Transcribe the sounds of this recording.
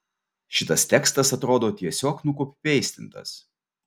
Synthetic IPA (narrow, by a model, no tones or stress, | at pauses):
ʃʲɪt̪ɐst̪ʲɛkst̪ɐsɐt̪ɾoːd̪oːt̪ʲiɛsʲoːknʊkopʲpʲɛɪsʲt̪ʲɪnt̪ɐ̰s